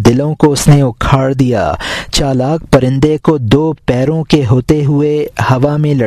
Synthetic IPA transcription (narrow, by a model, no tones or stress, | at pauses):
d̪ɪlõkoʊsneʊkʰaːɽd̪ija̰ːt͡ʃaːlaːk̚ʰpɐɾɪ̃nd̪ekod̪oːpɛːɾõkeɦoːt̪eɦʊehɐʋamẽlɐ